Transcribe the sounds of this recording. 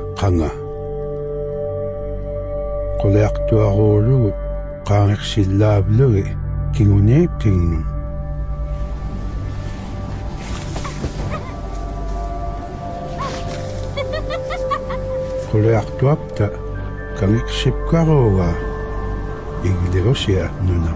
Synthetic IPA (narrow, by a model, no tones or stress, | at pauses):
qɑŋa | qoliɑqt̪uɑʁoːɻuɣ | qɑːŋe̞qsɪlːaːvluɣikiŋuniqɪŋnʊn | qoliɑqt̪uap̚t̪a | kaŋe̞qsip̚kɑʁoːɣaː | iɣleʁo̞sianuna